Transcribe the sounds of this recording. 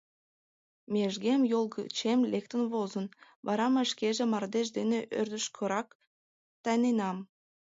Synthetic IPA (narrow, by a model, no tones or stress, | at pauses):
mʲeʒɡʲemjolˠɡət͡ɕemlʲek̚t̪ənvozən | bɑɾɑmɑʃkʲeʒemɑrd̪eʒd̪eneʔørd̪əʃkʰøɾɑk | t̪ɑjnenɑm